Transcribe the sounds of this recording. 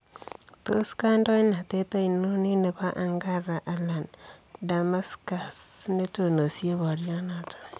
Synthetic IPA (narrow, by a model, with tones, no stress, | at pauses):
t̪o˦ska˦ndo˦na˨t̪e˦t̪a˦i˨nu˦ni˦ne˨βa˦ʔa˦ŋɡa˦ra˨ʔa˨la˨nda˨ma˦ska˨sne˦to˨no˨si˦e˦βa˨ɾja˦na˨tʰḁ˦